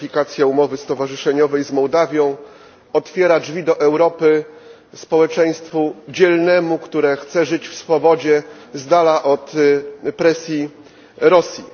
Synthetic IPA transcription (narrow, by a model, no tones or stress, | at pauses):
fʲikat̪sʲjaumɔvɘst̪ɔvaʐɘʂɛɲɔvɛjzmɔwd̪avʲjɔ̃w̃ | ɔt̪fʲjɛɾad͡ʐvʲid̪ɔʔɛwɾɔpɘ | spɔwɛt͡ʂɛj̃st̪fud͡ʑɛlnɛmukt̪uɾɛxt̪sɛʐɘt͡ɕfsfɔbɔd͡ʑɛzd̪alaʔɔt̪pɾɛsʲji | ɾɔsʲji